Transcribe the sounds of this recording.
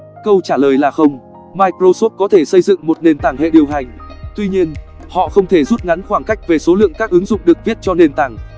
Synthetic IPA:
kə˧wt͡ɕaː˧˩ləː˨˩jlaː˨˩xə˧wŋ͡m | maː˧jkɾo˧so˦˥t̚kɔ˨˦t̪ʰe˧˩sə˧jzɨ̰˧˨ŋmo˨˩t̚ne˨˩nt̪aː˧˩ŋhḛ˧˨ɗi˨˩əwɦa˨˩jŋ̟t̪wi˧ɲi˧ənhɔ̰˧˨xə˧wŋ͡mt̪ʰe˧˩zu˦˥t̚ŋa˨˦nxwaː˧˩ŋka˦˥jk̟̚ve˨˩so˨˦lɨ̰˧˨əŋkaː˦˥k̚ʔɨ˨˦ŋzʊ̰˧˨ŋ͡mɗɨ˨˩ək̚vi˦˥t̚t͡ɕɔ˧ne˨˩nt̪aː˧˩ŋ

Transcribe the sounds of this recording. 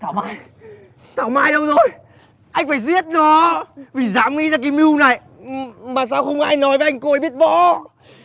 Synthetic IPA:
t̪ʰaː˧˩wmaː˧j | t̪ʰaː˧˩wmaː˧jɗə˧wzo˧˩j | ʔa˧jŋ̟faː˧˩jzi˦˥ət̚nɔ˨˦vi˨˩zaː˨˦mŋḭ˧˥zaː˧k̬aː˨˦jmi˧wna˨˩j | maː˨˩s̬aː˧wxə˧wŋ͡mʔaː˧jnɔ˨˦jve˨˦ʔa˧ŋ̟ko˧ə˨˦ɓi˦˥ət̚vɔ̰˧˥

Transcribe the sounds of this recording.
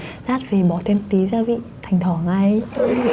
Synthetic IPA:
laː˦˥t̚ve˨˩ɓɔ˨˩t̪ʰe˧mt̪i˨˦zaː˧vḭ˧˨t̪ʰa˨˩jŋ̟t̪ʰɔ˧˩ŋa˧j

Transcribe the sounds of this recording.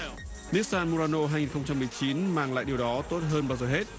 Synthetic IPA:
ni˦˥k̚saː˧nmo˧ɾaː˧no˧ɦaː˧ŋi˨˩nxə˧ŋ͡mt͡ɕa˧mːɨ˨˩əjt͡ɕi˨˦nmaː˨˩ŋla̰ː˧˨jɗi˨˩wɗɔ˨˦t̪o˦˥t̚ɦəː˧nɓaː˧wzoː˨˩ɦe˦˥t̚

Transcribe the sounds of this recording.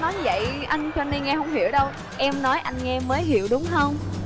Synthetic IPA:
nɔ˨˦jvə̰˧˨jʔa˧jŋ̟t͡ɕɔ˧ne˧nŋɛ˧hə˧wŋ͡mhḭ˧˩əwɗə˧w | ʔɛ˧mnɔ˨˦jʔa˧jŋ̟ŋɛ˧məː˨˦jɦḭ˧˨əwɗʊ˨˦ŋ͡mhə˧wŋ͡m

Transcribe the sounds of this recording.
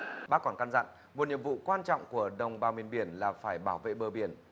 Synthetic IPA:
ɓaː˦˥kːɔ˨˧˩nka˧nza̰˧˨n | mo˨˩t̚ɲi˨mvṵ˧˨kwaː˧nt͡ɕɔ̰˧˨wŋ͡mku˧˩əɗə˨˩wŋ͡mɓaː˧˩wmi˧˩ənɓi˧˩ənlaː˨˩faː˧˩jɓaː˧˩wvḛ˧˨ɓəː˨˩ɓi˧˩ən

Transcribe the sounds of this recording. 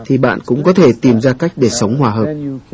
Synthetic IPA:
t̪ʰi˨˩ɓa̰ː˧˨nkʊ̰˧˥ŋ͡mkɔ˨˦t̪ʰe˧˩t̪i˨˩mzaː˧ka˦˥jk̟̚ɗe˧˩sə˨˦wŋ͡mhwaː˧˩ɦəː˨˩p̚

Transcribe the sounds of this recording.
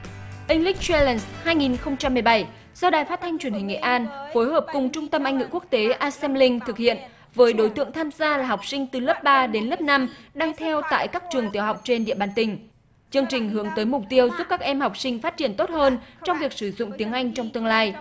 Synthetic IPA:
ʔï˧ŋ̟li˦˥k̚t͡ɕɛ˧lɛ˧˩nshaː˧jŋi˨˩nxə˧wŋ͡mt͡ɕa˧mːɨ˨˩əjɓa˧˩j | zɔ˧ɗaː˨˩jfaː˦˥t̚t̪ʰa˧jŋ̟t͡ɕwi˧˩nɦï˨˩ŋ̟ŋḛ˧˨ʔaː˧nfo˨˦jɦəː˨˩p̚kʊ˨˩ŋ͡mt͡ɕʊ˧ŋ͡mt̪ə˧mʔa˧jŋ̟ŋɨ̰˧˨ku˦˥k̚t̪e˨˦ʔaː˧sɛ˧mlï˧ŋt̪ʰɨ˨˩k̚hḭ˧˨ən | vəː˨˦jɗo˨˦jt̪ɨ̰˧˨əŋt̪ʰaː˧mzaː˧laː˨˩ɦa˨˩wk͡p̚sï˧ŋ̟t̪ɨ˨˩ləː˦˥p̚ɓaː˧ɗe˨˦nləː˦˥p̚na˧mɗaː˧ŋt̪ʰɛ˧wt̪a̰ː˧˨jkaː˦˥k̚t͡ɕɨ˨˩əŋt̪i˨˦əwɦa˨˩wk͡p̚t͡ɕe˧nɗḭ˧˨əɓaː˧˩nt̪ï˨˩ŋ̟ | t͡ɕɨ˧əŋt͡ɕï˨˩ŋ̟ɦɨ˨˦əŋt̪əː˨˦jmʊ˨˩k͡p̚t̪i˧əwzu˦˥p̚kaː˦˥k̚ʔɛ˧mha˨˩wk͡p̚sï˧ŋ̟faː˦˥t̚t͡ɕi˧˩ənt̪o˦˥t̚həː˧nt͡ɕɔ˧wŋ͡mvi˨˩ək̚sɨ˧˩zʊ̰˧˨ŋ͡mt̪i˨˦əŋʔa˧jŋ̟t͡ɕɔ˧wŋ͡mt̪ɨ˧əŋlaː˧j

